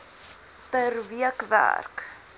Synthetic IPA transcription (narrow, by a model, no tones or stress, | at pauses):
pərviəkvæ̰rk